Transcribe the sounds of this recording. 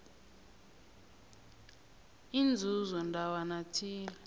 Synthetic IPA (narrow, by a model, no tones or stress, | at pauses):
ind͡zʱuzɔndʱawanatʰiːlɛ